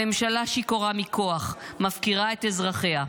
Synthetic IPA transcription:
emʃalaʃikoʁamikʰo̞aχmafkiʁae̞t̪ezʁaχe̞ha

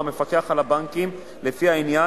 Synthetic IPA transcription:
ame̞fakeaχalabaŋkim | lefiainja

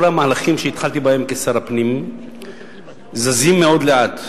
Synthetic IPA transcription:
olamaːlaχimʃeit̪χalt̪ibahe̞mkesaɾapnim | zazimːe̞o̞d̪le̞at̪

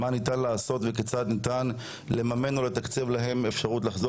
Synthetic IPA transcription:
manit̪anlaːso̞t̪veket͡sat̪nit̪an | le̞mame̞nolet̪akt͡sivlaɦe̞mefʃaʁut̪̬laχzo

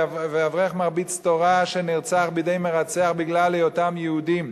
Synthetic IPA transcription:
veavʁeaχmaʁbit͡st̪oʁaʃeniʁt͡saχbid̪ejmeʁat͡seaχbiɡlalejotamjɛud̪im

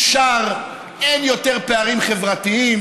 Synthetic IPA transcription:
ʃaʁ | enjo̞t̪eʁpeaʁimχevʁat̪iim

